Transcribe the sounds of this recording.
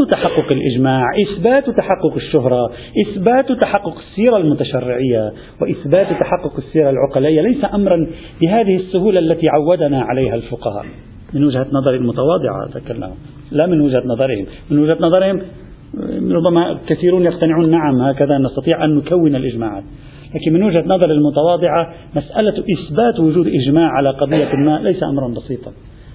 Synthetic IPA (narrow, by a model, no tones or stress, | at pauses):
t̪aħɑqːʊqɪlʔɪd͡ʒmaːʕʔɪθbaːt̪t̪aħɑqːʊqɪʃːʊɦɾˤɑ | ʔɪθbaːt̪t̪aħɑqːʊqɪ̥sːiːɾˤalmʊt̪aʃarːɪʕɪjːa | wɪʔɪθbaːt̪t̪aħɑqːʊqɪsːiːɾalʕʊqɑlaːʔɪjːalajsaʔamɾˤɑn | bɪɦaːðɪhɪsːʊhuːlaʔalːat̪iʕawːad̪anaʕalajɦalfʊqɑha̰ːʔ | mɪnwɪd͡ʒhanɑðˤɑɾˤilmʊt̪awɑːd̪ˤɨʕa̰t̪akalːa̰hʊ̰m | lamɪnwɪʒhanɑðˤɑɾˤhɪmmɪnwɪʒhanɑðˤɑɾhɪm | ɾˤʊbːamakaθiːɾuːnjaqt̪anɪʕuːnːaʕamhaːkaðanɑst̪ɑt̪ˤiːʕʔanːʊkawːɪnalʔɪʒmaːʕa̰ːt̪̚ | laːkɪnmɪnwɪʒhanɑðˤɑɾˤalmʊt̪ɑwɑːd̪ˤɨʕa | masʔalaʔɪsbaːt̪wʊʒuːd̪ʔɪʒmaːʕʕalaqɑd̪ˤɨjːalmaːʔlajsaʔamɾˤɑnbɑsiːt̪ˤɑ